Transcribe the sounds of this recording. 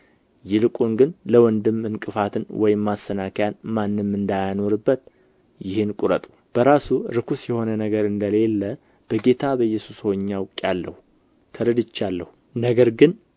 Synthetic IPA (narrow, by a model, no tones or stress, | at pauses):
jɪlɨkʼunɡɨnləwɔnd̪ɨmːɨnkʼɨfat̪ʰɨnwɔjɪmːasːənakʰjanmanːɨmːɨnd̪ajano̞ɾɨbːət̪ | jɪhɨnkʼuɾət̪ʼu̥ | b̥əɾasuɾɨkʰusjɛho̞nənəɡəɾɨnd̪əle̞lːə | b̥əɡe̞t̪ʰabəjːɛsushɔɲːawkʼjalːə̰hu | t̪ʰəɾəd̪ɨt͡ʃːalːə̰hu | nəɡəɾɡɨn